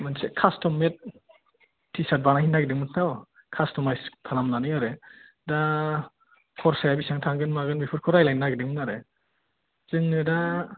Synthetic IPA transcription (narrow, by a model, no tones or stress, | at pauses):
mɯnsekʰastɔmet̚ | tʰːisat̚banahinaɡidɯŋmɯntʰaw | kʰastɔmajstʰalamnanɯjaɾe | da | kʰɔɾsajabisaŋtʰaŋɡɯnmaɡɯnbipʰɯɾkʰɔɾajlajnaɡidɯŋmɯnaɾe | z̥ɯŋnɯda